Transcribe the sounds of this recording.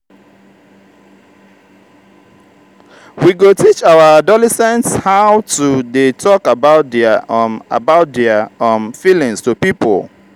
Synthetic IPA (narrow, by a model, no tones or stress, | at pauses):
wiɡotʰit͡ʃawəadɔlɛsɛ̃ntshaʊtudetʰɔkabaʊt̚dɛa̰baʊt̚dɛaɔ̃nfilĩŋstupipo̰l